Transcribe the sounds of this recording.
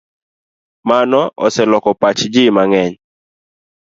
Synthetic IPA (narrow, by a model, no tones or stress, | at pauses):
manɔʔɔ̰sɛlɔkɔpat͡ʃd͡ʒimaŋɛɲ